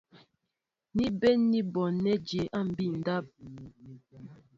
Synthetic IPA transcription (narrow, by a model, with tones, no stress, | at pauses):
ni˦bɛ˦nːi˦bɔ˨nɛ˦d͡ʒe˨˦ʔa˦˨m̩˨bi˦˨n̩˨da˦p̚